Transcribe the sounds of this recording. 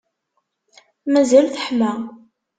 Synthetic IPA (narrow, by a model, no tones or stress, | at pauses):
mæzælθə̥ħmæ